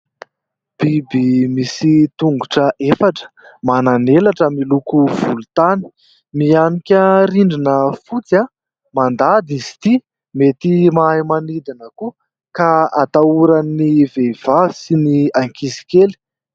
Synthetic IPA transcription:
b̥ibimisit̪uŋɡuʈ͡ʂəʔefaʈ͡ʂə̥mananelaʈ͡ʂəmilukuv̥ulut̪ani̥ | mianikʲəɾiɳɖ͡ʐinəfut͡sa | mand̪ad̪izi̥t̪i | met̪imaɦjmanid̪inəku | kaat̪auɾanːivev̥avi̥siniaŋkisi̥kʲeli̥

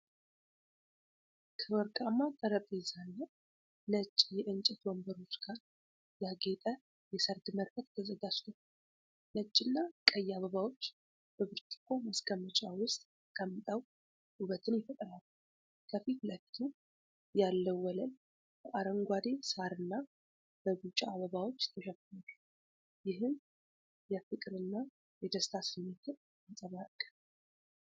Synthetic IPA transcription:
kʰəwɔɾkʼamːat̪ʼəɾəpʼezanːa | nət͡ʃʼːjɛʔɨnt͡ʃʼɛt̪wɔmbəɾo̞t͡ʃːɡ̥aɾ | jaɡet̪ʼə | jɛsəɾd̪məɾfət̪t̪ʰəzəɡad͡ʒt̪ʰəw | nət͡ʃʼːɪnːakʼəjːaβəβawo̞t͡ʃː | b̥əβɨɾt͡ʃ̪ʰʼɪ̥kʰːoməskʼəmːət͡ʃʼawʊst̪ʼ | kʼəmːt̪ʼaw | huβət̪ʰɨnjɛfət̪ʼəɾalː | kʰəfit̪ləfi̥t̪ʰu | jalːəwːɔlən | bəʔaɾəŋɡʷad̪e̞saɾɨnːa | b̥əɡut͡ʃʼːaaβəβawot͡ʃːt̪ʰəʃɛfalː | jɪɦɨm | jɛfɨkʼɾɨnːa | jɛd̪əst̪ʰasɨmːet̪ʰɨn | ɨnsʼəβakʼːə

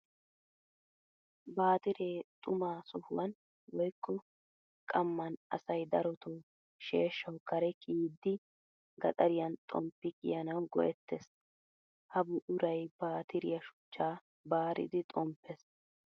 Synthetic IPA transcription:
baːt̪ɪɾeːt̪ʼʊmaːsɔhʊ̰wɐn | wɔjkːɔ | kʼɐmːɐnʔɐ̰sɐjd̪ɐɾɔt̪oː | ʃḛːʃːɐwkɐɾɛkʼiːd̪ːɪ | ɡɐt̪ʼɐɾɪjɐnt̪ʼɔmpːɪkʼɪ̰jɐnɐwɡɔ̰ʔɛt̪ːes | hɐbʊʔʊɾɐjbaːt̪ʰɪɾɪjɐʃʊ̥t͡ʃːaː | baːɾɪ̰d̪ɪt̪ʼɔmpʰːɛs

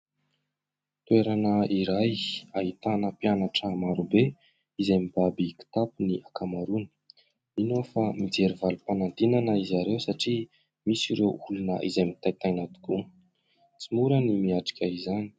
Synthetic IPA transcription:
t̪weɾanəiɾajaɦit̪anəpianaʈ͡ʂəmaɾube | izajmibabiki̥t̪apuniʔakamaɾuni̥ | inofamid͡zeɾivalupanant̪inanəizaɾewsaʈ͡ʂi | misiɾewulunə̰ʔizajmit̪ajt̪ajnad̪u̥ku | t͡simuɾənimiaʈ͡ʂi̥kʲaizani̥

